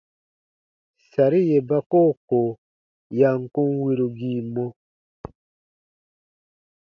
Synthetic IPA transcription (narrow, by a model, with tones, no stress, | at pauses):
sa˨ɾi˦je˨ba˦ko˦˨ko˨ | ja˨ŋ˨kũ˦ŋwi˦ɾu˨ɡi˦˨mɔ˦